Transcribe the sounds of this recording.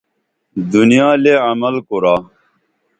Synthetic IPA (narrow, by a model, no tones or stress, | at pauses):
d̪unijaːleːɐmɐlkoɾaː